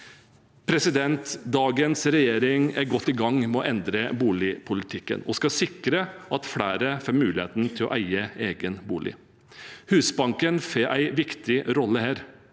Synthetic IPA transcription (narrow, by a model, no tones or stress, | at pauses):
pʰɾɛsɪd̪ɛnt̪d̪ɑːɡənsɾɛjeːɾɪŋæɾɡɔt̪ːɪɡɑŋːmɛɔʔɛnd̪ɾəbuːlɪpʰʊlɪt̪ʰɪkːə̰nɔ̰skɑsɪkɾəʔɑt̪fɽæːɾəfɛmʉːlɪhḛːt̪nt̪ʰɪlɔ̰ʔæɪəeːɡənbuːlʔɪ̰ | hʉːsbɑŋkənfeːʔæ̰ɪʋɪkt̪ɪɾɔlːəhæːɾ